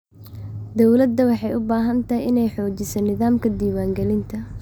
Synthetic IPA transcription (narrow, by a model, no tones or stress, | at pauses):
d̪ɔwlɐd̪ːɐwɑħɑjʊbaːɦɐnt̪ʰɐjɪnɛjħɔːt͡ʃɪsɐnɪðaːmkʰɐd̪iːwaːŋɡɛlɪnt̪ʰɐ